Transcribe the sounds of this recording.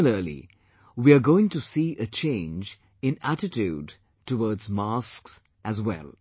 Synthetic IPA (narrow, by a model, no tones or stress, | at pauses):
ləlḭ | wiəɡoɪ̃ŋtusiʔət͡ʃʰẽɪ̃nd͡ʒ | ɪ̃nætɪtud | təwɔɹdzmasks | ʔæzwɛ̰lˠ